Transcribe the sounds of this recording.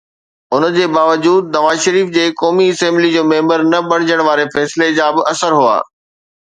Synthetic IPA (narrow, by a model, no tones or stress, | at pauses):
ʊnd͡ʑeːbaːʋəd͡ʑuːd̪̚nɐʋaːzʃɐɾiːfd͡ʑeːkɔːmiɐsɛ̃ːmblid͡ʑoːmẽːmbəɾnɐbɐɽ̤̃ɪd͡ʑəɽ̃ʋaːɾefɛːsɪled͡ʑaːbɪʔɐsəɾɦua̰ː